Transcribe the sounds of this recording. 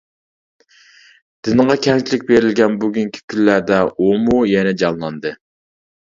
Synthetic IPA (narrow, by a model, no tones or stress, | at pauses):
d̪̥ɪnʁɑkʲʰɛŋt͡ʃʰilɪkʲbeɾɪlɡʲɛnbuɡʲyŋkʲʰi̥kʲʰylːæɾd̪ɛʔomujɛnɛd͡ʒɑnlˠɑnd̪ɨ